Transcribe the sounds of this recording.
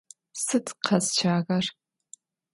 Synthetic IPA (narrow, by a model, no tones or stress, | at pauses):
sɨtʰʼqʰɐzt͡ʃʰaːɣɐr